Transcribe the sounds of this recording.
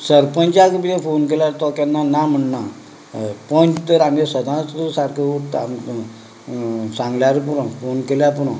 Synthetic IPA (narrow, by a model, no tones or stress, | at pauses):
səɾpə̃nt͡ɕjakəpit̪ẽfonkeljaɾt̪ɔkjanːanam̤əɳna | pənt̪əɾamesəd̪ʱãsusaɾkʰəuʈa̰m | sãŋɡljaɾp̬uɾãfonkeljapuɽã